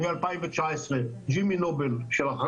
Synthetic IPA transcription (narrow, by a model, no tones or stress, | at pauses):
ɡalpajĩmvat͡ʃaesʁed͡ʒiminobelʃelaχ